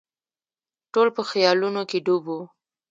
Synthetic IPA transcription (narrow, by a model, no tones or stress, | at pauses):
ʈolpəxjɑlunokeɖubu